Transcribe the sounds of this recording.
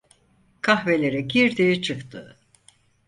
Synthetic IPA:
kʰahve̞lʲe̞ɾɛɟiɾd̪it͡ʃʰɯkt̪ʰɯ

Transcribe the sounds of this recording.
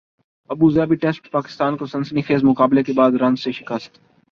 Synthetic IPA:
ɐbuzɛːbiʈɛsʈpaːkɪ̥st̪aːnkosɐnsənixeːzmʊkaːblekebaːd̪ɾɐ̃nzseʃɪkəst̪

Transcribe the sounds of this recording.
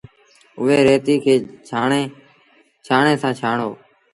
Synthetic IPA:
ʊʋeːɾeːt̪iːkʰeːaːeː | t͡ʃʰaːɳeːsãːt͡ʃʰaːɳoː

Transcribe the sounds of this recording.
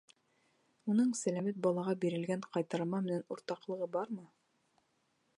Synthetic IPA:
unɤɴsælæmæt̪̚bɑlˠɑʁɑbiɾɘ̆lɡæɴqɑjt̪ɑɾmɑmɘ̆nænuɾt̪ɑqlˠɤ̆ʁɤbɑɾmɤ

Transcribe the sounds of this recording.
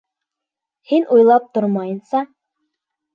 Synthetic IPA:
hinujlˠɑp̚t̪oɾmɑjɤnsɑ

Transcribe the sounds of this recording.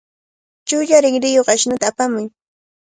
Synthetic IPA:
t͡ʃʊʎaɾɪŋɾɪjoχaʃnʊt̪aːpamʊj

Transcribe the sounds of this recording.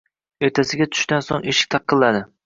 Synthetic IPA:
eɾt̪ʰasɪɡʲat̪ʰʊ̥ʃt̪anso̰ŋeʃɪ̥k̚ʲt̪ʰɑq̚qʰːɨlˠːad̪ɪ

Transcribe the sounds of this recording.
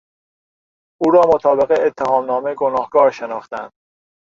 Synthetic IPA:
ʔuːɾɒːmot̪ʰɒːbe̞ɣeet̪ʰːehɒːmnɒːmeɡonɒːhɡ̥ɒːɾʃenɒːχt̪ænd̪̥

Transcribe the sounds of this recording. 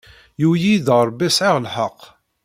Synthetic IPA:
jujiðəɾˤbisʕɪʁlħəqː

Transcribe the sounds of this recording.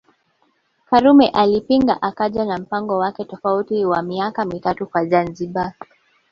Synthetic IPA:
kaɾumɛʔalipiŋɡa̰ʔakaʄanam̩paŋɡɔwakɛtɔfautiwamiakamitatukwazanziɓa

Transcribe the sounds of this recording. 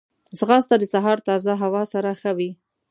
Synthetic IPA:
zɣɑst̪ad̪əsaɦɑɾt̪ɑzaɦawɑsaɾaxawi

